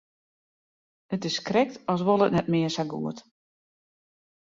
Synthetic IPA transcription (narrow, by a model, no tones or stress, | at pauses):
ətɪskrɛk̚tʰɔs̬ʋolˠətnɛt̚mɪəsaɡṵət